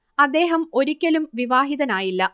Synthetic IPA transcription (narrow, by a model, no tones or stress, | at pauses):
ɐd̪ːe̞ːɦɐmo̞ɾikʲːɐlumʋiʋaːɦiðɐnaːjilːɐ